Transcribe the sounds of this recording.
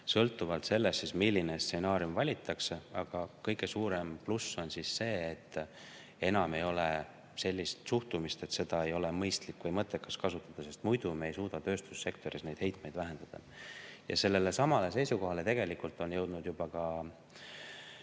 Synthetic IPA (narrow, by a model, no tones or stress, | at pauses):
sɤ̞lt̪ːˑuvɑlt̪se̞lːessismilʲːinest̪se̞nɑːɾiumvɑlʲit̪ːˑɑkseɑɡ̥ɑkɤjɡe̞suːɾe̞mplusːo̞nsisːe̞ːt̪ː | e̞nɑme̞jo̞le | se̞lʲːist̪suht̪umist̪e̞t̪se̞d̪̥ɑe̞jo̞le̞mɤjst̪likːvɤjmɤt̪ːˑe̞kːɑskɑsut̪ːˑɑd̪̥ɑse̞st̪mujd̪̥umejsuːd̪̥ɑt̪ø̞ːst̪u̥sse̞kt̪o̞ɾisne̞jd̪̥he̞jt̪me̞jd̪̥væɦe̞nd̪̥ɑd̪̥ɑ̰jɑ̰se̞lːe̞le̞sɑmɑle̞se̞jsuko̞ɦɑle̞t̪e̞ɡ̥e̞likult̪ːˑo̞njɤwd̪̥nud̪̥jub̥ɑkɑ